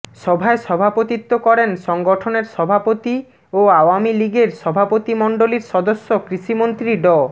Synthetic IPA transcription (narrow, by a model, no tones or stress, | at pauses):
ʃɔbʱaeʃɔbʱapot̪it̪ːokɔɾenʃɔŋɡoʈʰoneɾʃɔbʱapot̪i | oawamiliɡeɾʃɔbʱapot̪imɔɳɖoliɾʃɔd̪osːokɾiʃimont̪ɾiɖɔ